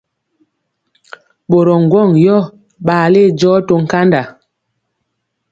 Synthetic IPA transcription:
ɓo˨ɾɔ˨ŋ̩˨ɡwɔ˦˨ŋjɔ˦ | ɓaː˨le˦˨d͡ʒɔ˦to˨ŋ̩˨ka˦nda˨

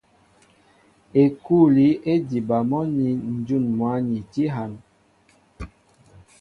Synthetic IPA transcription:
e˨ku˦˨li˨˦e˦di˨ba˨mɔ˦ni˨n̩˨d͡ʒu˦˨nmwa˨˦ni˨ti˦ɦa˨˦n

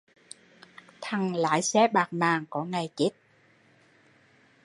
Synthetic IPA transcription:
t̪ʰa˨˩ŋla̰ː˧˥jsɛ˨˦˥ɓaː˨˩k̚naː˨˩ŋkɔ˧˨˦ŋa˨˩jt͡ɕi˦˥t̚

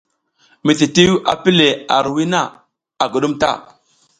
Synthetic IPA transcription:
mi˨ti˨ti˦wa̰˨pi˦le˨a˨ɾwi˦na˦˨ | a˨ɡə˨ɗu˦mta̰˦˨

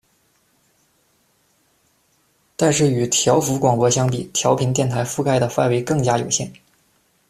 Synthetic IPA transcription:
t̪a˥˧nʂɻ̩˥˩y˨˩t̪ʰjɑ˧˥ʊfu˧˥kwɑ˨˩ŋpwɔ˧˥ɕjɑ˥ŋpi˨˩t̪ʰjɑ˧˥ʊpʰi˧˥nt̪jɛ˥˩nt̪ʰa˧˥ɪfu˥˧kʰa˥ɪd̪ə˨fa˥˩nwe˧˥ɪkɤ˥˩ŋt͡ɕja˥jo˨˩ʊɕjɛ˥˩n

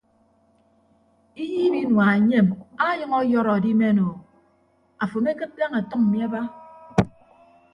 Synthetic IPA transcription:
i˦jiː˦bi˦nwa˨e˨ɲe˦ma˦jʌ˦ŋɔ˦jɔ˦ɾɔ˨a˨di˦me˦no˨ | a˨fo˨me˦kɨ˦t̚da˦ŋa˨tɔ˦ŋm̩˨mi˦a˦ba˦

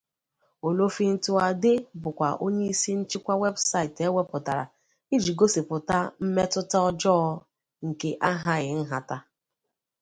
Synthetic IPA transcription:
o˨lo˦fi˦n̩˦tʊ˦a˨dɪ˦bʊ˨kʷa˨ʔo˦ɲe˦i˦si˦n̩˦t͡ʃi˦kʷa˦we˦bsa˦i˨te˦we˦pʊ˨ta˨ɾa̰˨ | i˦d͡ʒi˨ɡo˦si˨pʊ˨ta˦m̩˦me˦tʊ˦ta˦ɔ˦d͡ʒɔ˦ | ŋ̩˨ke˦ʔa˦ɦa˦ɣɪ˨n̩˦ɦa˨ta˦

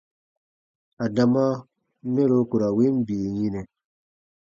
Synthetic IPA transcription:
a˨da˨ma˦ | mɛ˦ɾo˦ku˨ɾa˨wi˦m˦bi˨ɲi˦nɛ˨

